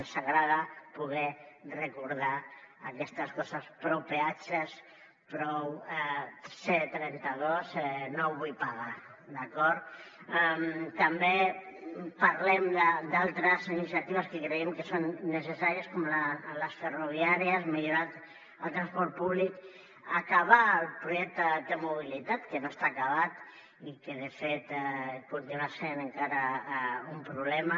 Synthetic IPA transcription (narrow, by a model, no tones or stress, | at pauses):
saɣɾaðəpuɣɛrəkuɾða | akɛst̪əskɔsəspɾowpeat͡ʃəs | pɾɔw | set̪ɾɛnt̪aðosɛnowβujpaɣa | d̪akɔɾt̪ | ɛmt̪ambe | paɾlɛmd̪əd̪alˠt̪ɾəzinisjat̪iβəskekɾeɛmkesonːesesaɾiəskomlaləsferuβiaɾjasmiʎuɾat̪ | əlt̪ɾanspɔɾt̪̚puβlik | akaβalˠpɾuʒɛk̚t̪əd̪emuβ̞ilit̪at̪kenoest̪aːkaβat̪ | ikeðefet̪put̪unasenəŋkaɾaumpɾuβlɛma